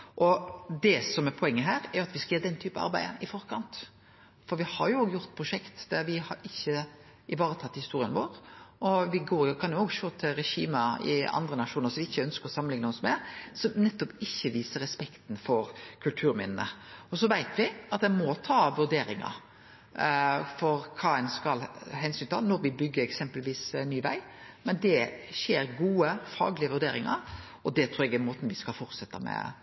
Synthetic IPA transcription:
ʔɔd̪ɛsɔmɛɾpʰɔɛŋːəɦæːɾɛɾjʊɑt̪ʋɪskɑjøːɾd̪ɛnt̪ʰyːpɑ̰ɑ̰ɾbæɪəɪfɔɾkʰɑnt̪ | fɔɾʋɪhɑɾjʊoːɡjʊɾt̪̚ːpʰɾʊʂɛkt̪d̪æɾʋɪhɑɾɪçːə | ʔɪʋɑːɾət̪ʰɑt̪ːhɪst̪uːɾɪənʋoːɾʔɔʋɪɡoːɾjʊkʰɑnjʊoːɡʃoːt̪ʰɪlɾɛʃiːmɑɪ̰ɑ̰nd̪ɾənɑʂuːnəɾsɔmʋɪɪçːəœnskəɾɔsɑmənɪŋnəhɔsɔmæɾsɔmnɛt̪ːɔpɪçːəʋiːsəɾɛspɛkt̪n̩fɔɾkʰʉlt̪ʰʉːɾmɪ̰nənəɔs̬ɔʋæɪt̪ʰʋɪɑt̪d̪ɛmɔt̪ʰɑːʋʉɾd̪eːɾɪŋɑ̰ɾ | fɔɾkʰɑːɛnskɑlɦɛnsynt̪ɪɑnɔɾʋɪbʏɡːəɾɛksɛmpəlʋiːsnːyːʋæ̰ɪmɛnd̪ɛçeːɾɡuːəfɑ̰ːɡlɪəʋʉɾd̪eːɾɪŋɑ̰ɾ | ɔd̪ɛt̪ʰɾuːɾɛɡɛmoːt̪nʋɪskɑlfɔɾt̪sɛt̪ːɑmɛ̰

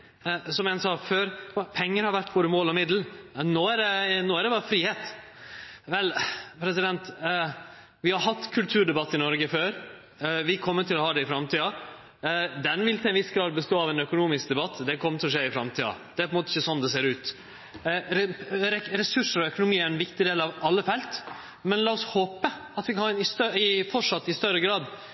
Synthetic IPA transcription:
sɔmɛnsɑːføːɾpʰɛŋːəɾhɑɾʋæʈːboːɾəmoːlɔmɪd̪l̩noːæɖɛnoːæɖɛbɑːɾəfɾiːheːt̪ | ʋɛlpʰɾɛsɪd̪ɛnt̪ | ʋɪhɑɾɦɑt̪ːkʰʉlt̪ʰʉːɖɛbɑt̪ːɪnɔɾɡəføːɾ | ʋɪkʰɔmːət̪ʰːɪlɔhɑːd̪ɛɪfɾɑmt̪ʰiːɑ | d̪ɛnʋɪlt̪ʰɛnʋɪsɡɾɑːd̪̚bəst̪oːɑʋɛnœkʊnuːmɪsk̚d̪ɛbɑt̪ːd̪ɛkʰɔmːət̪ʰɪlɔʂeːɪfɾɑmt̪ʰiːɑ̰d̪ɛæɾpɔɛnmoːt̪ɪçːəsɔnːd̪ɛseːɾʉːt̪ | ɾɾɛɾɛsʉʂəɾɔœkʊnʊmiːæɾɛnʋɪkt̪ɪd̪eːlɑʋɑlːəfɛlt̪ | mɛnlɑːɔshoːpə | ɑt̪ʋɪkʰɑnɑnɪst̪œɪfɔʂɑt̪ːɪst̪œɾəɡɾɑːd̪

